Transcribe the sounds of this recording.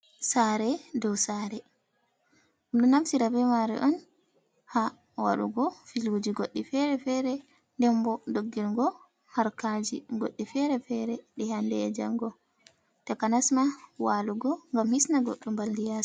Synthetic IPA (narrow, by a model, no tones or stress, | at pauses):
saɾɛdɔwsaɾɛ | uɗunamsiɾabɛmaɾɛ̰ʔɔn | ha | wa̰ɗṵɡɔfilud͡ʒiɡoɗːifɛɾɛfɛɾɛ | ndɛmbɔdoɡːiɾɡɔ | haɾkad͡ʒḭɡo̰ɗːifɛɾɛfɛɾɛɗɛhandɛ̰d͡ʒa̰ŋɡɔ | tɛkanasmawaluɡɔŋɡamhisnaɡo̰ɗːumbaldijas